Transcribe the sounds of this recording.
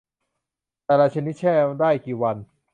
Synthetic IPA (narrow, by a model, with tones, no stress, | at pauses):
t̪ɛː˨˩laː˧t͡ɕʰa˧ni˦˥t̪̚t͡ɕʰɛː˥˩daː˥˩jkiː˨˩wa˧n